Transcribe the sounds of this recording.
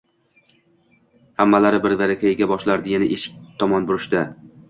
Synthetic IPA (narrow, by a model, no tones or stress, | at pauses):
hamːalaɾɪbɪɾvaɾakʲʰajɪɡʲabɒʃlaɾd̪ɪɪnɪʔeʃɪ̥k̚ʲt̪ʰɒmɒnbʊɾɪʃd̪a